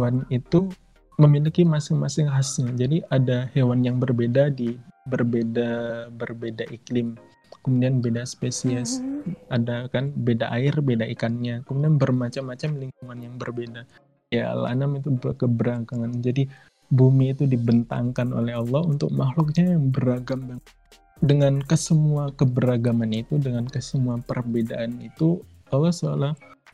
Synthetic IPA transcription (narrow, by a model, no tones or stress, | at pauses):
wanit̪u | məmilikimasɪŋmasɪŋɦasɲad͡ʒadiʔadahewanjaŋbərbedadibərbedabərbedaʔiklɪm | kəmudianbedaspesiasadakanbedaʔaɪrbedaikanɲakəmudianbərmat͡ʃamːat͡ʃamliŋkuŋanjaŋbərbeda | jala̰namit̪ubəkəbəɾaɡaŋand͡ʒadi | bumiːt̪udibənt̪a̰ŋkano̰lɛɦɑlːɔhunt̪ʊ̰k̚maxlʊk̚ɲajaŋbəɾaɡamja | dəŋankəsəmuakəbəɾaɡamanit̪udəŋankəsəmuapərbedaʔanit̪u | ɔlːɔsoalah